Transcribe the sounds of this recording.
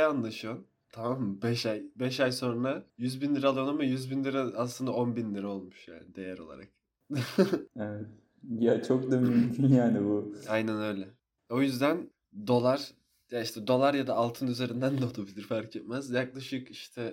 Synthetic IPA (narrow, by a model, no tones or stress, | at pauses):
anlˠaʃɯjon | t̪ʰamamːɯbɛʃajbɛʃajso̞nːajyzbinlʲiɾɛalˠjonˠamɯjyzbinlʲiɾɛaslˠɯnd̪ao̞nbinlʲiɾɛo̞lˠmuʃja̰ːnɪd̪e̞jæɾo̞lˠa̰ɾa̰k̚ | ɛvɛt̪̚ | jat͡ʃʰok̚d̪amymkʲʰynjaːnibuajnænø̞jlʲɛ | o̞jyzd̪æn | d̪o̞lˠaɾ̥ | jaiʃt̪ʰɛd̪o̞lˠaɾjad̪aːlˠt̪ʰɯnyze̞ɾind̪ænd̪ɛot̪ubilʲiɾfaɾcʰɛt̪̚mæzjaklˠaʃɯkiʃt̪ʰɛ